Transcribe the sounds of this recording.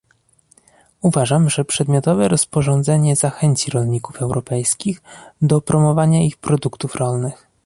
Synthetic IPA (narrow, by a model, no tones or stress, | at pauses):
uvaʐamʐɛpʂɛd̪mʲjɔt̪ɔvɛɾɔspɔʐɔnd̪zɛɲɛzaxɛɲt͡ɕiɾɔlɲikufɛwɾɔpɛjskʲiɣd̪ɔpɾɔmɔvaɲaixpɾɔd̪ukt̪ufɾɔlnɘx